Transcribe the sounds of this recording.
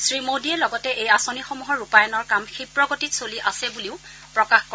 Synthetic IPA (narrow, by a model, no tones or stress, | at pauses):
sɹimodiɛlɔɡɔtɛʔejasonixɔmuɦɔɹupajɔnɔɹkamxipɹɔɡotitsoliʔasɛbuliʊ | pɹɔkaxkɔ